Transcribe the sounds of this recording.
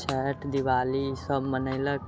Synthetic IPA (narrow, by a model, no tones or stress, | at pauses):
t͡ʃʰɛːʈd̪ɪʋaːlisəbmənəɪlə